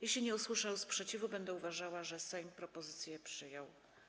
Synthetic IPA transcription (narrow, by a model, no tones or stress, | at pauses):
jeɕlʲiɲɛuswɘʂawspʂɛt͡ɕivubɛnd̪ɛuvaʐawaʐɛsɛjmpɾɔpɔzɘt̪sʲjɛpʂɘjɔw